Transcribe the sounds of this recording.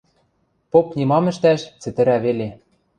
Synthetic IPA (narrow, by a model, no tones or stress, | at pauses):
popnimɑmɘ̆ʃt̪æʃt͡sɘ̆t̪ɘ̆ɾæβele